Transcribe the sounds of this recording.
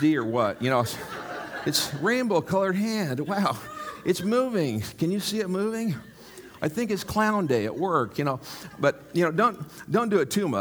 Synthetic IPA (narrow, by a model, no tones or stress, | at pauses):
diə˞wʌt̚jɨnoʊ | ɨtsɹẽɪ̃nbl̩ˠkʰʌlˠə˞d̚ɦæ̃ndwaʊʔɨtsmuvɪ̃ŋkɨ̃njɨsiɨt̚muvɪ̃ŋ | aɪθɪ̃ŋkɨtskʰl̥ãʊ̃ndeɪɨ̰ʔwɜ˞kʰjɨñoʊb̥ʌt̚jɨnoʊdõʊ̃nd̥õʊ̃ndɨɨtʰʉmʌ̰